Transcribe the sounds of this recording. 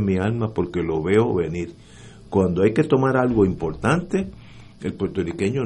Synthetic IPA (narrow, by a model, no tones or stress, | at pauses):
mialmapo̞ɾke̞lo̞βe̞oβe̞niɾ | kwand̪oajke̞t̪o̞maɾalɣo̞impo̞ɾt̪ant̪e̞ | elpwe̞ɾt̪o̞rike̞ɲo